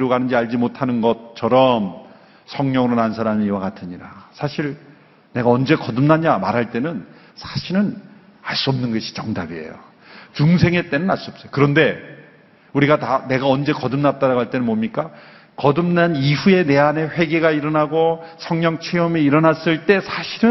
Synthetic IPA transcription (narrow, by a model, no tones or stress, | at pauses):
iɾoɡanɯnd͡ʑiaʎd͡ʑimotʰanɯnɡʌt͡ɕʰʌɾʌm | sʰʌŋɲʌŋɯɾonans̬ʰaɾamiiwakatʰɯɲiɾasʰaɕʰiɾ | ne̞ɡaʌnd͡ʑe̞kʌdɯmnaɲamaɾɦaɭt͈e̞nɯn | sʰḁɕʰiɾɯn | aɭs͈uʌmnɯnɡʌɕʰi̥t͡ɕʌŋdabie̞̰jo̰ | t͡ɕuŋsʰe̞ŋe̞t͈e̞nɯnaɭs͈uʌp̚s͈ʌjokɯɾʌnde̞ | uɾiɡatane̞ɡaʌnd͡ʑe̞kʌdɯmnat̚t͈aɾaɡoɦaɭt͈e̞nɯnmomɲik͈a | kʌdɯmnaniɸue̞ne̞ane̞ɸwe̞ɡe̞ɡaiɾʌnaɡosʰʌŋɲʌŋt͡ɕʰeʌmeiɾʌnas͈ɯɭt͈e̞sʰaɕʰiɾɯn